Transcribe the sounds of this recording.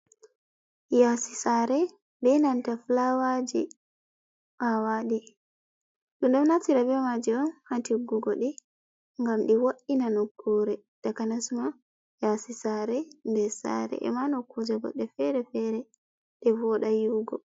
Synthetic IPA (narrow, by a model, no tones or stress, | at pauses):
jasisaɾɛ | bɛnantaflawad͡ʒi | ʔawaɗi | ɗunɗɔmnatiɾabɛmad͡ʒiɔnhantiɡuɡɔɗi | ŋɡamɗiwoɗinanokʰːuɾɛ | d̥akanasma | jasisaɾɛndɛsa̰ɾɛ̰ʔɛ̰manɔkːud͡ʒɛɡɔ̰ɗɛfɛɾɛfɛɾɛ | ɗɛvɔɗajuɡɔ